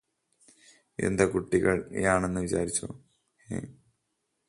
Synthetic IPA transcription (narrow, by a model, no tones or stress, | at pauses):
e̞̰nd̪ɐkuʈːiɣɐɭ̰jaːɳe̞nːɨʋit͡ɕaːɾit͡ɕːo̰ | hḛː